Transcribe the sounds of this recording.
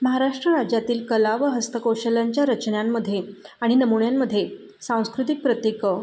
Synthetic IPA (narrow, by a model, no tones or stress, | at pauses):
məɦaɾaʂʈɾəɾad͡ʑjat̪iːlkəlaʋəɦəst̪əkowɕəljaɲt͡ɕjaɾət͡ɕnjamːəd̪ʱːjeaɽ̃inəmuɳjamːəd̪ʱːje | sãw̃skɾut̪ik̚pɾət̪jekə